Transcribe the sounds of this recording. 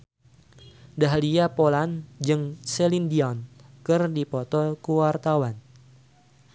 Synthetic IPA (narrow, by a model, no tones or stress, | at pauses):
daɦliapoland͡ʒɨŋselindiɔnkɨrdipɔt̪ɔkuwart̪awan